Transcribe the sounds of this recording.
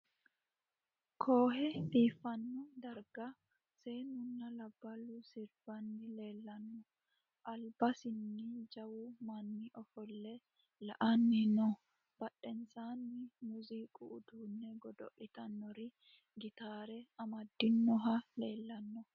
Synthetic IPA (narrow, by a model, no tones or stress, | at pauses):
kʰoːɦɛfiːfɐnːɔd̪ɐɾɡɐ | seːnʊnːɐlɐbːɐlusɪɾb̥ɐnːɪleːlːɐnːɔ | ʔɐlbɐsɪnːɪd͡ʒɐwʊmɐnːɪʔɔfɔlːɛ | lɐʔɐnːɪnɔ | b̥ɐɗːɛnsaːnːɪmʊziːkʼuʔːd̪uːnːɛɡɔd̪ɔ̰ʔɪt̪ɐnːɔɾɪ | ɡɪt̪aːɾɛɐmɐd̪ːɪnːɔɦɐle̞ːlːɐnːɔ